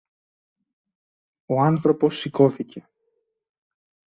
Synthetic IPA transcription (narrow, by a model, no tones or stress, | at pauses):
o̞ɐnθɾo̞po̞sːiko̞θice̞